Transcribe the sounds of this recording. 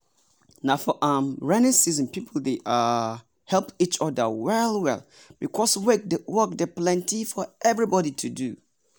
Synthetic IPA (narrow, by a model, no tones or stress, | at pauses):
nãfɔʔãmɹɛnɪ̃ŋsizə̃npʰipʰl̩ˠdeʔa | hɛlˠpit͡ʃɔdə̰wɛlˠwɛ̰l | b̥ikʰɔswɛk̚dəwɜk̚dəplɛ̃ntʰifɔɛvɹibɔɾitʰudu